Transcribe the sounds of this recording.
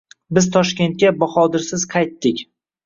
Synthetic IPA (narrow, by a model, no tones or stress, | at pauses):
bɪzt̪ʰɒʃkʲe̞nt̪̚kʲabɒχɒd̪ɪɾsɪz̥qʰɑjt̪ːɪkʲ